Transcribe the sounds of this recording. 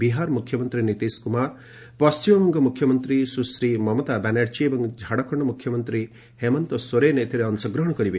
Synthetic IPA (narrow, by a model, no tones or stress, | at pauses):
biɦaɾmukʰjɔmɔnt̪ɾinit̪eskumaɾ | pɔst͡ʃimɔmɔŋɡɔmukʰjɔmɔnt̪ɾisusɾimɔmɔt̪abɛnaʈt͡ʃiebɔŋd͡ʒʱaɽɔkʰɔɳɖɔmukʰjɔmɔnt̪ɾi | hemɔnt̪ɔsoɾeneet̪ʰiɾeɔnsɔɡɾɔɦɔɽ̃ɔkɔɾibe